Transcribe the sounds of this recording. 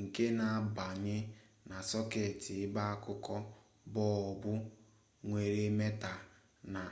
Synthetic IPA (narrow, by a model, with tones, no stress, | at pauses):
ŋ̩˨ke˦na˨a˦ba˨ɲɪ˦ | na˨sɔ˦ke˨ti˨ɪ˦ba˦a˦kʊ˦kɔ˦ | bɔ˦ɔ˨bʊ˦ | ŋʷe˨ɾe˦me˦ta˨ | na˨